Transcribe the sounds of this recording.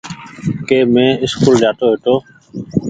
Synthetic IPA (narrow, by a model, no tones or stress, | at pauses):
keːmẽːɪskuːld͡ʒaːt̪oːɦeːt̪oː